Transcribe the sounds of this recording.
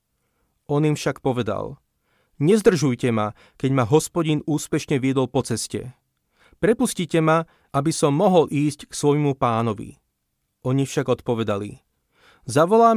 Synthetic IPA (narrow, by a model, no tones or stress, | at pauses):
ɔnimfʃakpɔʋɛd̪a̰l | ɲɛzd̪r̩ʒujcɛma | kɛɟmaɦɔspɔɟinuːspɛʃɲɛʋɪɛd̪ɔlpɔt͡sɛscɛ̰ | pɾɛpuscicɛma | ʔabisɔmːɔɦɔlʔiːscksʋɔjmupaːnɔʋḭ | ʔɔɲifʃaɡɔt̪pɔʋɛd̪alḭ | zaʋɔlaːm